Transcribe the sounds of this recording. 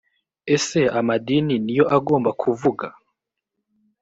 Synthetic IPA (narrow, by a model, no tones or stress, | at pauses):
ese̞amadininijo̞ʔaɡo̞ːmbakʰuvuɡa